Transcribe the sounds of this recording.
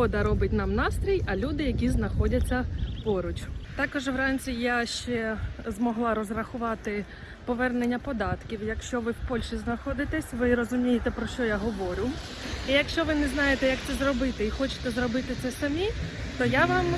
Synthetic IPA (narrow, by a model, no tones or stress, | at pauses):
ɔd̪ɐɾɔbɪtʲnɑmnɑst̪ɾʲijɐlʲud̪ɪjɐkʲiznɐxɔdʲɐt͡sʲːɐpɔɾʊt͡ʃʊt̪ɑkɔʒʋɾɑnʲt͡sʲijaʃt͡ʃɛzmɔɦlˠɑɾɔzrɐxʊʋɑt̪ɪ | pɔʋɛrnenʲːɐpɔd̪ɑt̪kʲiwjɐkʃt͡ʃɔʋɪwpɔlʲʃiznɐxɔd̪ɪt̪ɛsʲʋɪɾɔzʊmʲijet̪ɛpɾɔʃt͡ʃɔjaɦɔʋɔɾʲʊ | ijɐkʃt͡ʃɔʋɪnɛznɑjet̪ɛjɐk̚t̪sɛzrɔbɪt̪ɛixɔt͡ʃɪ̥t̪ɛzɾɔbɪt̪ɪt̪sɛsɐmʲi | t̪ɔjaʋɑm